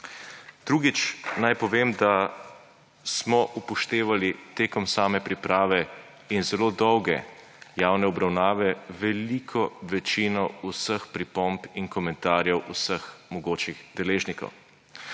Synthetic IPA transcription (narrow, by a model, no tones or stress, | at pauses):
d̪̥ɾuːɡit͡ʃnajpɔʋemd̪a | smɔʔupɔʃt̪eːʋalit̪eːkɔmsaːmɛpɾipɾaːʋɛ | inzɛloːd̪ɔwɡɛ̰ | jaːwnɛɔbɾawnaːʋɛʋɛlikʰɔʋɛt͡ʃinɔusəxpɾipɔmpiŋkɔmɛ̃nt̪aːɾjɛwusəxmɔɡoːt͡ʃiɣd̪̥ɛleːʒnikɔ̰w